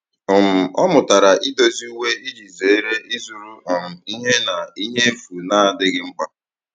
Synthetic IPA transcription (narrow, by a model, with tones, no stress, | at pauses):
ɔ˨m̩˨ɔ˦mʊ˨ta˨ɾa˨ʔi˦do˦zi˦u˦we˦i˦d͡ʒi˨ze˨˦ɾe˦ʔi˦zu˨ɾu˦ɔ˨m̩˨i˦ɦe˦na˨i˦ɦe˦m̩˦fu˨na˦a˨dɪ˦ɡɪ˦ŋ͡m̩˦k͡pa˦